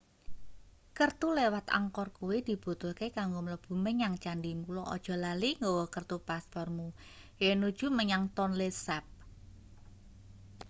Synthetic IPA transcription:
kərt̪ulewat̪a̰ŋkɔrkuwid̪̥i̤b̥ṳt̪ʊlkekaŋɡomələb̥ṳməɲaŋt͡ʃanɖimulɔʔɔ̰d̥ʒ̥ɔ̤laliŋɡowɔkərt̪upaspɔrmu | jenud̥ʒ̥ṳməɲaŋt̪ɔnlesɛp̚

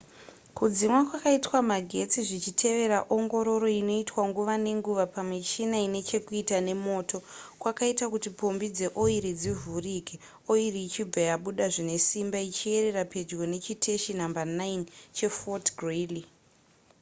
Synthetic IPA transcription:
kud͡zimwakwakaitwamaɡʱe̞t͡siʐit͡ʃitʰe̞ʋe̞ɾaʔoŋɡo̞ɾo̞ɾo̞ino̞itwaŋɡuʋane̞ŋɡuʋapamiʃinaine̞t͡ʃe̞kuitane̞mo̞ːto̞kwakaitakutipombid͡ze̞ʔo̞iɾid͡zivʱuriːke | o̞iriːt͡ʃibajaɓuɗaʐine̞simbait͡ʃie̞ɾe̞rape̞d͡ʒɡo̞ne̞t͡ʃitʰe̞ʃinambanaint͡ʃe̞fotɡreli

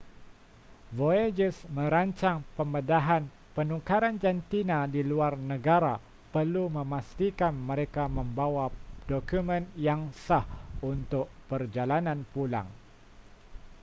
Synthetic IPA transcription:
voed͡ʒəsmə̃ɾaɲt͡ʃaŋpəmədaɦan | pənukaɾand͡ʒant̪inadiluarnəɡaɾa | pərlumə̃mast̪ikanməɾekamə̃mbawadɔkumə̃njaŋsahunt̪ʊʔ̚pərd͡ʒalanãnpula̰ŋ

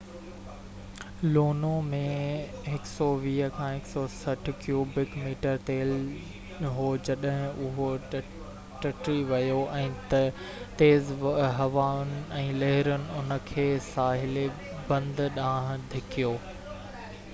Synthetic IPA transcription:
loːnomẽɦɪksɔʋiːəkʰãːɦɪksɔsɐʈʰkjoːbɪkmiːʈəɾt̪eːl | ɦod͡ʑɐɗɦɪ̃ʊɦo | ʈɐʈɾiʋɐjoʔɛ̃ːt̪ɐ | t̪eːzɦɐʋaːʊnɪ̆ɛ̃ːlɐɦɪɾʊnɪ̆ʊnə̆kʰeːsaːɦɪle | bɐ̃nd̪ɗãːɦd̪ʱɪkʰijoː

